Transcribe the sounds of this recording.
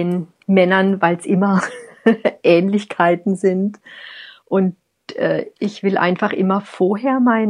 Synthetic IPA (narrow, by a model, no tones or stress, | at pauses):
eːn | mɛnɐnvaɪlsʔɪmɐ | ʔɛːnlɪçkʰaɪtn̩zɪnt | ʔʊnt | ʔɛ̰ːʔɪçv̥ɪlʔa̰ɪnfaχʔɪmɐfoːɐɦeːɐmaɪn